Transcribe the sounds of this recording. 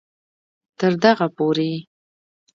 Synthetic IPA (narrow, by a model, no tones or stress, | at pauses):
t̪əɾd̪aɣapoɾe